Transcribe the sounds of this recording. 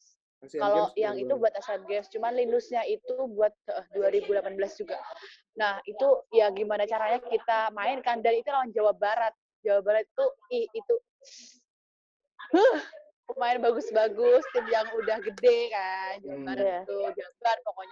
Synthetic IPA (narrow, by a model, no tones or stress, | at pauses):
kalojaŋit̪ubuat̪asat̪̚ɡɛst͡ʃumanlinʊsɲait̪ubuat̪̚əhduaɾibulapanbəlasd͡ʒuɡa | nahit̪ujaɡimanat͡ʃaɾaɲakit̪amaɪnkandanit̪ulawand͡ʒawabaɾat̪̚ | d͡ʒawabaɾat̪̚t̪uɪhit̪u | əh | umaɪnbaɡʊsbaɡʊst̪ɪmjaŋudahɡədekand͡ʒumant̪ud͡ʒaɡarpokɔɲa